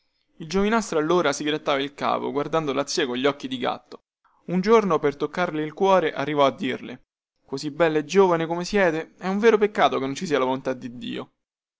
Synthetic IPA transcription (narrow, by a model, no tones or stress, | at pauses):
ild͡ʒovinast̪ɾoalːoːɾasiɡɾat̪ːaːvailka̰ːpo̰ɡward̪and̪olat̪sːiekoɲʎːɔkːid̪iɡa̰t̪ːo̥ | und͡ʒornopert̪okːarleilkwɔːɾeʔarːivɔad̪ːirlḛ | kozibːɛlːoed͡ʒoːvanekomesjɛːt̪eɛuɱveːɾopekːaːt̪okenːont͡ʃisiːalavolont̪ad̪ːid̪ːḭːo̰